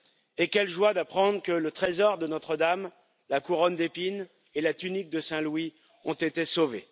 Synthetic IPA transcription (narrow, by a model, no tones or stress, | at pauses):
ekʲɛlʒwad̪apχɑ̃d̪ʁəkələt̪χezɔʁd̪ənɔt̪χəd̪am | lakuʁɔnd̪epin | elat̪ynik̚d̪əsɛ̃lwi | ɔ̃t̪et̪esove